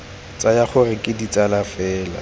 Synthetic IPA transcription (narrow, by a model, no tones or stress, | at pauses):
t͡sʼajaχʊrɪkʼɪdit͡sʼalafɛːla̰